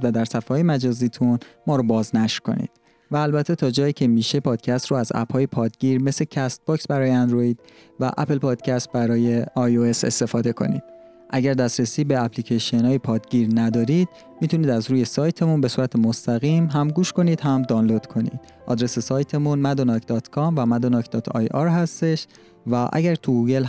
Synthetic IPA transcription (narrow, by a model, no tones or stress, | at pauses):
væd̪æɾsæfɒːjemæd͡ʒɒːziːt̪ʰunmɒːɾobɒːznæʃɾkʰo̞̰nḭːd̪̥ | væːlbæt̪ʰːe̞t̪ʰɒːd͡ʒɒːjiːcʰe̞miːʃe̞pʰɒːd̪̥cʰæst̪ɾoæzæ̰phɒːjepʰɒːd̪ɟiːɾme̞secʰæst̪̚bɒːksbæɾɒːjeænd̪ɾoid̪̥̚ | væ̰ʔæ̰pʰelpʰɒːd̪̥cʰæst̪̚bæɾɒːje̞ɒjoe̞se̞̰st̪e̞fɒːd̪e̞kʰo̞̰nḭd̪̥ | ʔæɟæɾd̪æst̪ɾesiːbeæplicʰeʃionɒːjepʰɒːd̪ɟiːɾnæd̪ɒːɾiːd̪̥̚ | mit̪ʰuniːd̪æzɾuːje̞sɒːjt̪ʰe̞munbe̞suːɾæt̪ʰemost̪æɣiːmɦæmɡuːʃko̞niːd̪̥ɦæmd̪ɒnlo̞d̪̥kʰo̞nḭd̪̥ | ʔɒ̰ːd̪ɾe̞sesɒːjt̪ʰe̞munmæd̪onɒcʰd̪ɒːt̪ʰkʰɒmvæmæd̪onɒkd̪ɒːt̪ʰɒ̰jɒɾɦæst̪e̞ʃ | væʔæ̰ɟæɾt̪ʰuɡuːɟe̞l